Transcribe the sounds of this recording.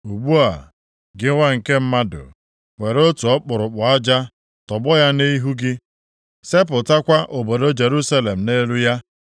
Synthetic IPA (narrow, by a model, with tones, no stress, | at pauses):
u˨ɡ͡bu˦a̰˨ | ɡɪ˦ŋʷa˦ŋ̩˨ke˦m̩˦ma˦dʊ̰˨ | ŋʷe˨ɾo˦tu˨ɔ˦k͡pʊ˨ɾʊ˨k͡pʊ˨a˦d͡ʒa˦ | tɔ˨bɔ˦ja˦ni˦i˦ɦu˦ɡɪ˦ | se˦p̬ʊ˨ta˦kʷa˦ʔo˨bo˨do˦d͡ʒe˨ɾu˦sa˦le˨m̩˨ne˦lu˦ja˦